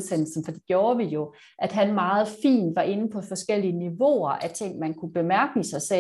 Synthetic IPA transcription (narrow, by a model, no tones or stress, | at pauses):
sen̰l̩sn̩fɒ̽d̥ḭɡ̥jo̝ːɐʋijo̝ | ʔæd̥ɦænmɑ̈ːð̞̩ˠfḭːnʋɑ̈ʔe̝nəpʰɒ̽fɒ̽sɡ̥el̰iəniʋo̝̰ɐʔæt͡sʰe̝ŋ̰mænkʰub̥e̝mæɐɡ̥əisɑ̈ɪse